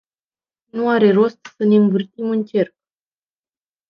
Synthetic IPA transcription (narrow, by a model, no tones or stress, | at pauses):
nuaɾe̞ro̞st̪səne̞ɨmvɨrt̪imɨnt͡ʃe̞rp̚